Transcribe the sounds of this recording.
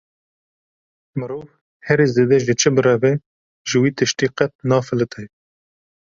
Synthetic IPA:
mɨɾoːv | hɛɾiːzeːd̪ɛʒɨt͡ʃʰɨbɨɾɛbɛ | ʒɨwiːt̪ɨʃt̪iːqɛt̪̚nɑːfɨlɨt̪ʰɛj

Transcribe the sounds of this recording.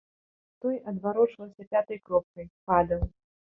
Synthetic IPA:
t̪ɔjʔɐd̪vaɾɔt͡ʂvɐwsʲɐpʲat̪ɐjkɾɔp̚kɐjpad̪ɐw

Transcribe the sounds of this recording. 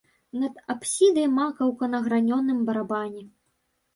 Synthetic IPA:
nɐd̪apsʲid̪ɐjmakɐwkɐnɐɣɾanʲɔnːɨmbɐɾabanʲi

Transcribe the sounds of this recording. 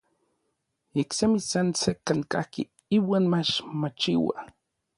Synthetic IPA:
iksemisansekaŋka̰hkḭ | iwaːnmat͡ʃmat͡ʃiwa̰

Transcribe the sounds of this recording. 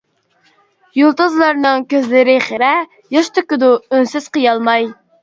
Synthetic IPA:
julˠt̪uzlˠɑɾnɨŋkʲøzlɪɾɪχeɾɛ | jɑʃt̪ʰʊkʲɪd̪uynsyz̥qəjɑlˠmɑj

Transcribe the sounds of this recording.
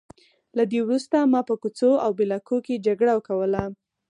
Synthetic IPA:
lad̪ewɾust̪amɑpəkut͡soawbelakoked͡ʒaɡɽawəkawəla

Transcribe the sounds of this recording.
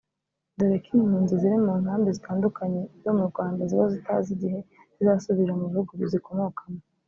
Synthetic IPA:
doɾekimhuːnziziɾimuːŋhaːmbezitaːndukaɲe̞zo̞muɾɡwaːndaziβazita̰ziɟihe̞ | zizaːsuβiɾamuβihuɡuβiziko̞mo̞kamo

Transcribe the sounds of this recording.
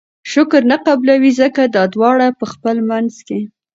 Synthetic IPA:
ʃʊkɾnaqablawizəkad̪ɑd̪wɑɽapəxpəlmanzke

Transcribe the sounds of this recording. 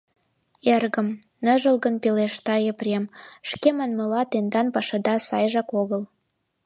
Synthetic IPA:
erɣə̆mnə̆ʒə̆lɣə̆npeleʃt̪ɑjə̆prʲemʃkemɑnmɤlɑt̪end̪ɑnpɑʃɑd̪ɑsɑjʒɑkoɣəl

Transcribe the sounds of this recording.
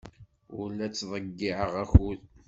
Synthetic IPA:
ʊlːæt͡sːðˤəɡːiʕəʁæxul

